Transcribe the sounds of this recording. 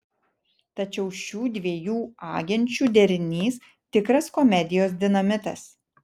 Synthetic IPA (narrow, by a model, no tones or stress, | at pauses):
t̪ɐt͡ʃʲɛʊʃʲuːd̪ʲʋʲiɛjuːɑ̰ːɡʲɛnʲt͡ʃʲuːd̪ʲɛɾʲɪnʲiːs | t̪ʲɪkɾɐskɔmʲɛd̪ʲɪjoːs̬d̪ʲɪnɐmʲɪt̪ɐs